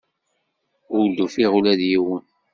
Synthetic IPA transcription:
ʊd̪ufiʁulæðjiwən

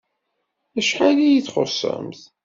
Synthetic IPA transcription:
æʃħalijiθχʊ̰sːə̰mθ

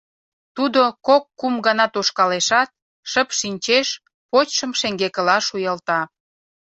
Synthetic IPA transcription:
t̪ud̪okokːumɡɑnɑt̪oʃkɑleʃɑt̪̚ | ʃəpʃinʲt͡ɕeʃ | pot͡ɕʃə̆mʃeŋɡekə̆lɑʃujəlt̪ɑ

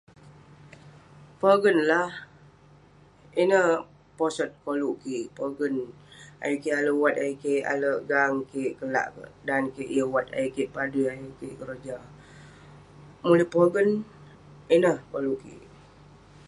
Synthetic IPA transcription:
pəɡənlah | inəh | posət̪̚koluʔkiʔpoɡəna̰jukialəwat̪ajəkeʔa̰ləʔɡaŋkeʔkəla̰ʔkə̰dankeʔjəwat̪̚a̰jəkeʔpaduajukeʔkəɾəd͡ʒa | muləpoɡən | inəhkoluʔkḭʔ

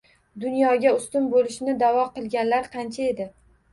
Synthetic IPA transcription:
d̪ʊnjɒɡʲaʊst̪ʊmbolɪʃɪnɪd̪avɒqɨlˠɡʲanlaɾqʰɑnt͡ʃʰae̞d̪ɪ

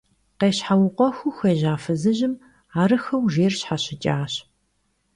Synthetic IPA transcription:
qeːɕħawʊqʷʼɔxʷuxeːʑaːfɐzɨʑɪm | aːɾɨxɐwʒeːrɕħaɕɪt͡ʃʼaːɕ

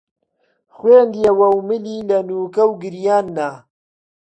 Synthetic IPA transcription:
xweːnd̪jɐwɐwmɨliːlɐnuːkɐwɡɨɾjaːnːa

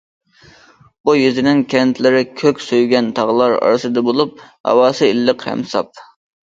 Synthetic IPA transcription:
bujyzɪnɪŋkʲʰɛnt̪ʰlɪɾɪkʲʰøkʲsøjɡʲɛnt̪ʰɑʁlˠɑɾɑ̰ɾɨsɨd̪ɨbolˠup̚hɑ̰wɑːsɨilːəqhɛ̰msɑp̚

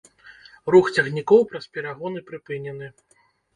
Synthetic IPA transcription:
ɾuxt͡sʲɐɣnʲikɔwpɾɐspʲɛɾaɣɔnɨpɾɨpɨnʲɛnɨ

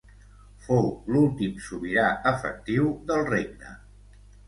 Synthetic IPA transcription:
fowlulˠt̪imsuβiɾaəfə̰k̚t̪iwðəlˠreɡnə̰

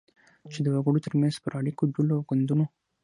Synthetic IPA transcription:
t͡ʃed̪əwaɡəɽot̪əɾmanz̥̚pəɾaɽikod̪uloawɡand̪uno

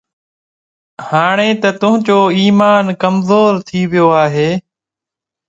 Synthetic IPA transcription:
haːɳeːt̪ət̪ʊɦə̃d͡ʒoːiːmaːnkəmzoːɾt̪ʰiːʋɪjoːaːɦeː

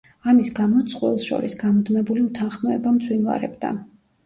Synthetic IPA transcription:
amisɡamɔt̪sʼqʼwɛlˠsʃɔ̰ɾisɡamɔd̪mɛbuliut̪ʰanχmɔɛbamt̪sʰwinva̰ɾɛ̰bd̪a̰

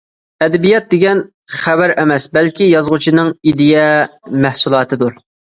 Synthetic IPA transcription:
ɛd̪ɛbijɑt̪̚d̪eɡʲɛn | χæbæɾɛmɛsbɛlkʲijɑzʁʊt͡ʃʰinɨŋid̪jɛmæhsulˠɑːt̪ʰɨd̪uɾ

